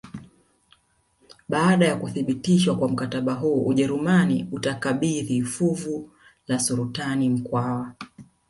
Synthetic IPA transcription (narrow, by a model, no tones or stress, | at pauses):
ɓaːɗajakuθiɓitiʃwakwam̩kataɓaɦuːʔuʄɛɾumanḭutakaɓiðifuvu | lasuɾutanim̩kwawa